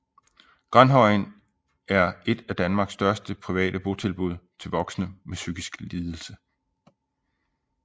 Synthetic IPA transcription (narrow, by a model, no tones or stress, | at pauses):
ɡ̥ʁanɦɒɪn | æɐe̝d̥æd̥ænmɑ̈ːɡ̥sːd̥ɶɐsd̥əpʰʁiʋɛ̰ːdəb̥o̝t͡sʰe̝lb̥uð̞̰ˠt͡sʰe̝lʋɒ̽ɡ̥snəmesyɡ̥isɡ̥liːð̞ˠl̩sə